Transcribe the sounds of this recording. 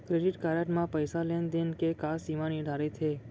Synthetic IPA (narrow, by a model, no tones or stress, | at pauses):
kɾeɖiʈkaɾaʈmãpəjsalend̪enkekasimãnid̪ʱaɾet̪ʰe